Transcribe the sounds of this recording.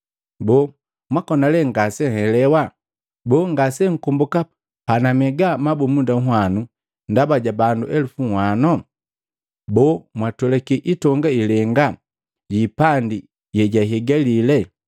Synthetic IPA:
bɔ | mwakɔnalɛŋɡasɛhɛlɛwa | bɔːŋɡasɛŋ̩kumbuka | panamɛɡamabumundaŋ̩ɦwanu | ndabaɟabanduʔɛlufuŋhwanɔ | bɔmwatɔlɛkiʔitɔŋɡailɛŋɡa | ɟipandi | jɛɟaɦɛɡalilɛ

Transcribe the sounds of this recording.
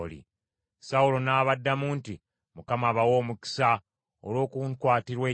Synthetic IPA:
lḭ | saulo̞naːβadːamuːnti | mukamaːβawo̞ːmuki̥sa | olwo̞ːkuntwaːtiɾwe̞ː

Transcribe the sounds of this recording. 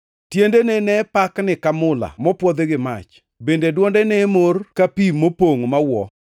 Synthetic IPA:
tjendenenɛpaknɪkamʊla̰mɔpwɔd̪eɡɪma̰t͡ʃ | bendedwɔndɛnɛmorkapimopoŋmawɔ

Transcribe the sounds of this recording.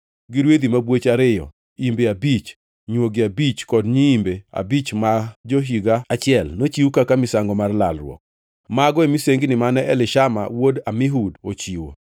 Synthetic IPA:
ɡɪɾwed̪imabwet͡ʃaɾɪjɔ̰ | imbeabit͡ʃ | ɲwoɡɪabit͡ʃkɔdɲiimbea̰bit͡ʃmad͡ʒoɦiɡaat͡ʃɪɛlnot͡ʃiukakamɪsaŋɡɔmarlalɾw̰ɔ̰k̚ | maɡɔemiseŋɡnɪmanɛʔɛlɪʃama̰wodamɪɦudot͡ʃiwo̰

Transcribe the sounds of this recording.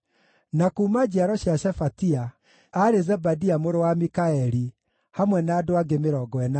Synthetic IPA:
nakuːmad͡ʑiaɾɔɕjaʃɛfatia | aɾezɛbadiamoɾowamikaɛɾi | hamwɛnaːdoaɡemeɾɔɡɔɛna

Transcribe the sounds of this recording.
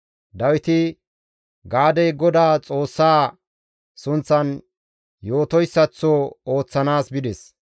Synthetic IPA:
d̪ɐwɪt̪ɪ | ɡaːd̪ɛjɡɔd̪aːt͡sʼo̞ːsːaː | sʊnt͡sːɐn | joːt̪ɔjsːɐt͡sːooːt͡sːɐnaːsbɪd̪ɛs

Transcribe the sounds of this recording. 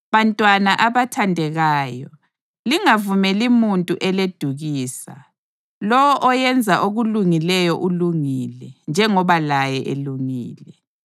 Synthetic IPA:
βantʼwanaʔaβatʰandʱɛɣaːjɔ | liŋavumɛlimuntʼuʔɛled̥ʱuɣiːsa̰ | lɔwɔʔɔjɛnd͡zʱaʔoɣuluŋilɛjɔʔuluŋiːlɛnd͡ʒʱɛŋɔβalajɛʔeluŋḭːlɛ

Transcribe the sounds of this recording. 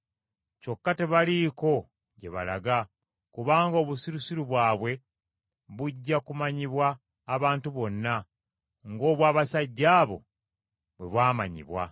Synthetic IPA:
co̞kːate̞βaliko̞ | ɟe̞̰βa̰la̰ɡa | kuβaːŋɡoːβusiɾusiɾuβwaːβwe̞ | βuɟːakumaɲiβwaː | βaːntuβo̞nːa | ŋɡo̞ːβwaːβasaɟːaːβo̞̰ | βwe̞̰βwaːma̰ɲḭβwa̰

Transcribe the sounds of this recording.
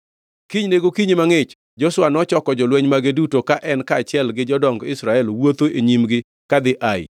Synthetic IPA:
kiɲneɡokiɲimaŋɪt͡ʃ | d͡ʒɔswanɔt͡ʃɔkɔd͡ʒɔlwɛɲmaɡedutokaʔɛnkaːt͡ʃɪɛlɡɪd͡ʒɔdɔŋɡɪsɾaɛlwot̪oʔeɲimɡɪ | kad̪ɪʔaɪ̰

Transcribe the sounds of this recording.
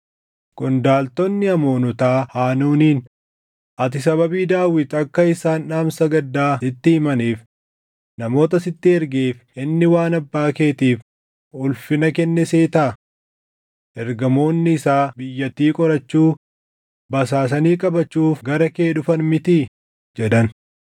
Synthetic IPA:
kʊnd̪aːlt̪ɔnːɪɐmo̞ːnʊt̪aːhaːnuːniːn | ʔɐt̪ɪsɐβɐbiːd̪aːwɪt̪ɐkːɐɪsaːnᶑaːmsɐɡɐd̪ːaːɪt̪ːɪɪmɐniːf | nɐmo̞ːt̪ɐsɪt̪ːɪɛɾɡeːf | ɪnːɪwaːnɐbːaːke̞ːt̪iːf | ʊlfɪnɐkɛnːɛseːt̪ɐɐ | ʔɛɾɡɐmo̞ːnːɪːsaːbɪjːɐt̪ːiːkʼɔɾɐt͡ʃːuː | bɐs̬aːs̬ɐniːkʼɐbɐt͡ʃːuːfɡɐɾɐkeːᶑʊfɐnmɪt̪i | d͡ʒɛᶑɐn

